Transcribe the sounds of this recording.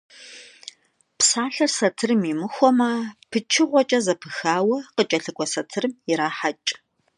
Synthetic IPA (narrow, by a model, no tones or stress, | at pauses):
psaːɬɐrsɐtʰɨrɨmimɨxʷɔmɐpʰɨt͡ʃʰɪʁʷɔt͡ʃʼɐzɐpʰɨxaːwɐqət͡ʃʼɐɬɨkʷʼɔsɐtʰɨrɨmɪɾaːħat͡ʃʼ